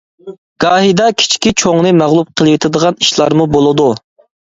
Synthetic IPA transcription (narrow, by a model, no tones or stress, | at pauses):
ɡ̥ɑːɦid̪ɑkʲʰi̥t͡ʃʰkʲit͡ʃʰoŋnɨmæʁlˠup̚qʰəlˠwet̪ʰɪd̪əʁɑniʃlˠɑɾmubolˠɨd̪u